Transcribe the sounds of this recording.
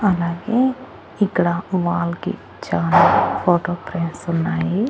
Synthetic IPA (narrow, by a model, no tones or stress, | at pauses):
ɐlaːɡeː | ikːɽaʋaːlkḭ | t͡ʃaːnɐlpʰoːʈoːpɾeɳʈsunːaːji